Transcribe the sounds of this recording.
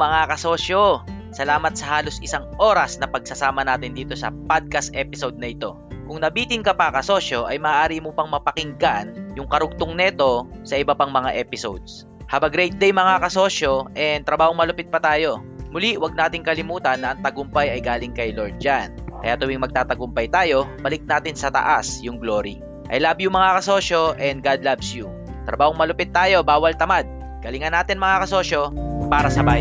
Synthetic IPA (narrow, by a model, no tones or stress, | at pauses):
mɐŋakɐso̞ːʃjo | sɐlaːmɐt̪̚sɐhaːlo̞sɪsaŋʔo̞ːɾɐsnɐpɐɡ̚sɐsaːmɐnaːt̪ɪnd̪iːt̪o̞sɐ̰pad̪̚kɐst̪ʔɛpɪsowd̪̚nɐʔɪt̪o̞ | kʊŋnɐbiːt̪ɪŋkɐpɐkɐso̞ːʃjo̞ʔɐjmɐʔːʔaːɾimʊpɐŋmɐpɐkɪŋɡaʔnjʊŋkɐɾʊɡ̚t̪ʊŋnɛt̪o̞sɐʔɪbɐpaŋmɐŋaʔɛːpɪso̰wd̪̚s | haːbɐɡɾɛjt̪̚d̪ɛjmɐŋakɐso̞ʃjo̞ʔɛnt̪ɾɐbaːhoŋmɐlʊpɪt̪̚pɐt̪aːjo̞ | mʊliwɐɡ̚naːt̪ɪŋkɐlɪmuːt̪ɐnːɐʔɐŋt̪ɐɡʊmpɐjɐjɡaːlɪŋkɐjloɹd̪̚d͡ʒankɐjat̪ʊwiŋmɐɡ̚t̪aːt̪ɐɡʊmpɐjt̪aːjo̞bɐlɪk̚naːt̪ɪnsɐt̪ɐ̰ʔasjʊŋɡlo̞ɾḭ | ʔɐ̰jlabjʊŋmːɐŋakɐso̞ːʃo̞ʔɛnd̪̚ɡad̪labsju | t̪ɾɐbaːhoŋmɐlʊpɪt̪̚ːaːjo̞baːwɐlt̪ɐmad̪̚ | kɐlɪŋɐnaːt̪ɪnmɐŋakɐso̞ːʃo̞paːɾɐsɐbaːj